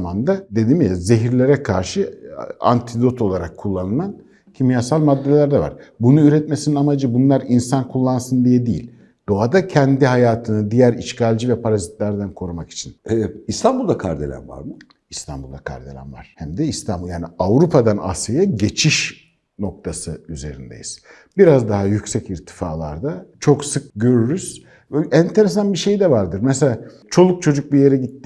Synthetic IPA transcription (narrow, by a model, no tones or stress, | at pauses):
mand̪ad̪e̞d̪imijaze̞ɦiɾlʲe̞ɾɛkʰaɾʃɯa̰nt̪ʰid̪o̞t̪ʰo̞lˠaɾakʰːulˠːanɯlˠan | cʰimijasalʲˠmad̪ːelʲæɾd̪ɛva̰ɾ̥bunuyɾɛt̪mesininamad͡ʒɯbunlˠaɾinsankʰulˠːansɯnd̪ijɛd̪ijḭlʲ | d̪̥o̞ad̪acʰɛnd̪iɦajaːt̪ʰɯnɯd̪ijæɾiʃcalʲd͡ʒivɛpʰaɾazit̪lʲæɾd̪ænkʰo̞ɾumaki̥t͡ʃʰinɛist̪ʰambulˠd̪akʰa̰ɾd̪ḛlʲæ̰nva̰ɾmɯ | ist̪ʰambulˠd̪akʰa̰ɾd̪e̞lʲæ̰nva̰ɾ̥hæmd̪ɛist̪ʰanbulˠjaːniavɾupʰad̪ana̰sajaɟe̞t͡ʃʰiʃ | no̞k̚t̪ʰasɯyze̞ɾind̪ḛjiz̥ | biɾazd̪aɦajycsɛciɾt̪ʰi̥faːlˠa̰ɾd̪at͡ʃʰo̞ksɯk̚ɟø̞ɾyɾyz̥ | ænt̪ʰe̞ɾes̬anbiʃe̞jd̪ɛvaɾd̪ɯɾmɛselʲa | t͡ʃʰo̞lˠuk̚t͡ʃʰo̞d͡ʒuk̚bije̞ɾɛɟit̪ːɪ